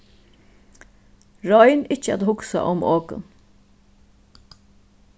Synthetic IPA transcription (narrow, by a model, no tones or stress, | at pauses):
ɹɔjnɪt͡ʃəa̰t̪hʊksa̰ʔʊmoːkʊ̰n